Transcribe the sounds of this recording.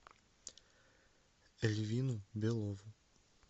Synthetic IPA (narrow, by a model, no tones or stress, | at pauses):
elivinubelovʊ